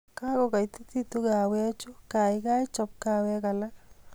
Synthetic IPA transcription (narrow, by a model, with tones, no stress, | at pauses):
ka˦ɡɔ˨ka˨i˨t̪i˦t̪i˦t̪u˦ɡa˨wɛ˦t͡ʃʊ˦ka˨ɪ˦ka˦ɪ˦t͡ʃɔ˨p̚ka˦wɛ˦ka˨la˦k